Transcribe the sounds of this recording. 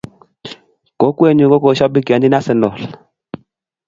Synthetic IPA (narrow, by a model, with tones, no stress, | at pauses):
kɔ˨˦kwe˦˨ɲu˨kɔ˦kɔ˨ʃa˦bi˦ka˨ndi˦na˦sɛ˨nɔ˨la˨